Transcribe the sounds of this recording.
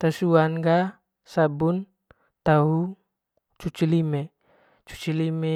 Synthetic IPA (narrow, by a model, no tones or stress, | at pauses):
t̪asuanɡa | sabun | t̪aɦu | t͡ʃut͡ʃilime | t͡ʃu̥t͡ʃilime